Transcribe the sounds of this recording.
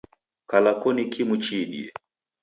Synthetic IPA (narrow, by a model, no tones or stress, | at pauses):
kalakɔnikʰimut͡ʃiɗḭɛ